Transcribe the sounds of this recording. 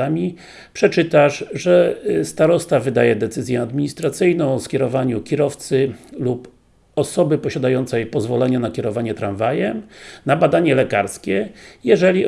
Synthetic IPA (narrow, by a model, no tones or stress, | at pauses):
amʲi | pʂɛt͡ʂɘt̪aʂʐɛst̪aɾɔst̪avɘd̪ajɛd̪ɛt̪sɘzʲjɛad̪mʲiɲist̪ɾat̪sɘjnɔ̃w̃ɔskʲɛɾɔvaɲukʲiɾɔft̪sɘlup | ɔsɔbɘpɔɕad̪ajɔnt̪sɛjpɔzvɔlɛɲanakʲɛɾɔvaɲɛt̪ɾaɱvajɛmnabad̪aɲɛlɛkaɾskʲɛjɛʐɛlʲi